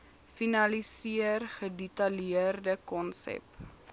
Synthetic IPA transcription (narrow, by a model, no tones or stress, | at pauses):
finɐlisiərχədɛtɐliərdəkɔnsɛ̰p